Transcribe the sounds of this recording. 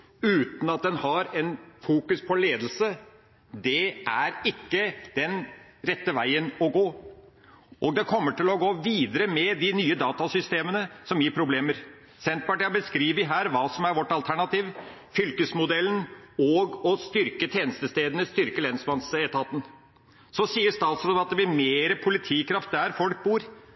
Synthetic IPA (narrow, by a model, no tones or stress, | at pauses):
ʉːt̪n̩ɑt̪̚d̪ɛnhɑɾɛnfuːkʉspʰɔleːd̪lsə | d̪ɛʔæɾɪkːəd̪̥ɛnɾɛt̪ːəʋæɪənɔɡoː | ʔɔɡ̚d̪ɛkʰɔmːəʈʰɪlɔɡoːʋiːd̪əɾəmɛd̪ɪnyːəd̪ɑːt̪ɑsʏst̪eːmənəsɔmjiːɾpʰɾʊbleːməɾ | sɛnt̪̚pɑʈiːɑbəskɾiːʋɪɦæːɾʋɑːsɔmæɾʋɔʈːɑlt̪ʰæɳɑt̪iːʋ | fʏlkəsmʊd̪ɛlːənɔɡɔst̪ʏɾkət̪ʰjeːnəst̪əst̪eːd̪ənəst̪ʏɾkəlɛnsmɑnsɛt̪ʰɑːt̪ən̩ | sɔsiːəʂt̪ɑːt̪sɾoːd̪ɑt̪̚d̪ɛbɪɾmeːɾəpʰʊlɪt̪ʰiːkʰɾɑft̪̚d̪æɾfɔlk̚buːɾ